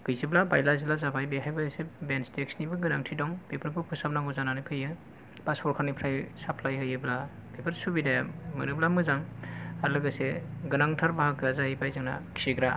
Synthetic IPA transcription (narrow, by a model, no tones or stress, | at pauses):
ɡ̥ɯjziblaba̰jlazilazabajbehajbɯjsebenstek̚snibɯɡɯnaŋtʰidɔŋbepʰɯɾbɯpʰɯsap̚naŋɔzananɯpʰɯjɯ | paspʰɔɾkʰanipʰɾajsapʰlajɦɯjɯblabepʰɯɾsubidajamɯ̰nɯblamɯzaŋalɯɡɯseɡɯnaŋtʰaɾbaɦakːɯazaɦibajzɯŋna̰kʰi̥iɡɾa